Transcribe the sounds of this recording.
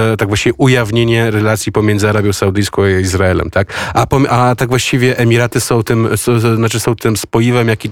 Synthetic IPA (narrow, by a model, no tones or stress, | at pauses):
t̪aɡvwaɕt͡ɕivʲɛʔujavɲeɲɛɾɛlat̪sʲjipɔmʲjɛndzɨaɾabʲjɔ̃w̃sawd̪ɘjskɔ̃w̃aizɾaɛlɛ̰mt̪ʰakapɔmʔat̪aɡvwaɕt͡ɕivʲjɛʔɛmʲiɾat̪ɘsɔ̃w̃t̪ɘmsɔznat͡ʂɘsɔ̃w̃t̪ɘmspɔjivɛmjakʲi